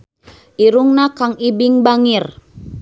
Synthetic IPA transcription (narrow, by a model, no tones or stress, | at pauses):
iɾuŋnakaŋibiŋbaŋir